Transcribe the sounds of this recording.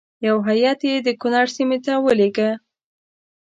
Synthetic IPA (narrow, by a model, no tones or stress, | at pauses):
jawɦajɑt̪jed̪əkʊnɑɾsimet̪awəleɡə